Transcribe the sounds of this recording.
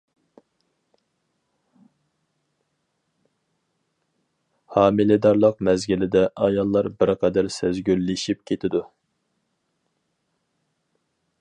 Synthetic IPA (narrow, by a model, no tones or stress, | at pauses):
hɑːmɪlɪd̪ɑɾlˠəq̚mɛzɡʲilɪd̪ɛʔɑjɑlˠːɑɾbɪɾqʰɑd̪ɛɾsɛzɡʲylːɪʃip̚kʲʰet̪ʰɪd̪u